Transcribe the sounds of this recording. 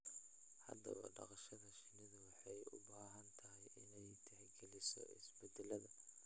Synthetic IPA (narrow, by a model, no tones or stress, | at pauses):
hɐ̰d̪ɐ̰βɐ̰ɖɑ̰qɑʃɐðɐʃɪnɪðɐwɑħɑjʊ̰baːɦɐnt̪ʰɐɦɛjʔɪnɛjt̪ʰɛhɛɡɛlɪsɔ̰ɪ̰sbɛd̪ɛlɐðɐ